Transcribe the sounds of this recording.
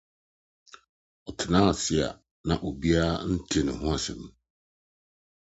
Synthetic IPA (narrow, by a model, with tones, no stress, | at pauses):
ɔ˨tʰɪ˨nãː˦˨sɪ˨a̰˨ | nã̰˨ʔo˨bi˦a˦a˦n̩˦tʰi˦˨nʊ̃˨ɦʊ̃˦a˨sɪ̰̃˨m˨